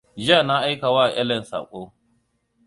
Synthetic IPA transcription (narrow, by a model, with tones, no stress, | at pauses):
d͡ʒɪ˦a˦˨na˦ʔa˦jka˨waː˦˨ʔɛ̰˦lɛ˨nsa̰ː˨kʷʼoː˦